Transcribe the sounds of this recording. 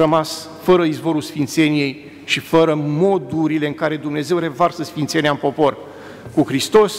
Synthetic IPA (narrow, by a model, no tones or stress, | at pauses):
əmas | fəɾəizvo̞ɾulsfint̪se̞nije̞j | ʃifəɾəmo̞d̪uɾile̞ɨŋkaɾe̞d̪umne̞ze̞wɾe̞varsəsfint̪se̞neampo̞po̞r | kuxɾist̪o̞s